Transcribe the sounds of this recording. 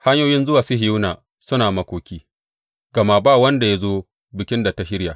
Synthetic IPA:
ha˦ɲjoː˦jɪ˦nzʊ˦waː˨sʊ˦ɦɪ˨ju˦na˨ | sʊ˦naː˨mɐ˦kʷoː˨kʲiː˦ | ɡ̥ɐ˨ma˦baː˦˨wɐ˦nda˨ja˦zoː˦ | bɪ˨kʲɪ˦nda˨ta˨˦ʃɪ˦ɽja˨

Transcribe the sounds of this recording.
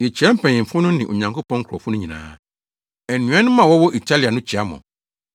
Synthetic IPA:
e˨t͡ɕʰi˨ɛ˦m̩˦˨pʰɛ̃˨ɲɪ̃˨m̩˨fʊ̃˦nʊ̃˦nɪ̃˨ʔo˨ɲã˨ŋkʰo˦pɔ̃˦ŋ̩˦kʰɔ˨fʊ˦nʊ̃˦ɲĩ˨nã̰ː˦ | ɛ˨nũ˨˦ɛ˦nʊ̃˦mã˨wɔ˦wɔ˦ʔi˨tʰa˦li˨a˨nʊ̃˦t͡ɕʰi˨a˦mɔ̰̃˨

